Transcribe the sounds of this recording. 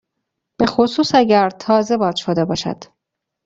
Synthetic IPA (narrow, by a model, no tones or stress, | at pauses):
b̥e̞xosuːsæɟæɾt̪ʰɒːze̞bɒːd̪ʃod̪e̞bɒːʃæ̰d̪̥